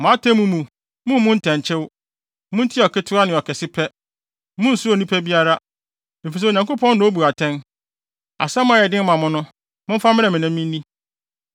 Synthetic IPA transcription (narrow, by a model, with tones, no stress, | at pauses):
mʊ̃˨a˦tʰɛ̃˦mũ˦mũ˨ | mʊ̃˦mmʊ̃˦n̩˦tʰɛ̃˨ɲ˨t͡ɕʰɪ˦w | mʊ̃˦n̩˦tʰi˦ɔ˨kʰɪ˦tʰʊ˦a˦nɪ̃˨ɔ˨kʰɛ˨sɪ˦pʰɛ˦ | mʊ̃˦n̩˨sʊ˦o˨nĩ˦pʰɛ˦bi˦a˦ɾa˦ | e˨fi˨s̬ɛ˦o˨ɲã˨ŋkʊ˦pʰɔ̃˦n˦nã˨˦o˦bu˨ɾa˨tʰɛ̃˦n | a̰˨sɛ˦mʊ̃˦a˨jɛ˨dɪ̃˦m˦mã˨mʊ̃˦nʊ̃˦ | mʊ̃˦m̩˦fa˦mɪ̃˦nɛ̃˨mɪ̃˨nɪ̃˦mː˦ĩ˦nĩ˦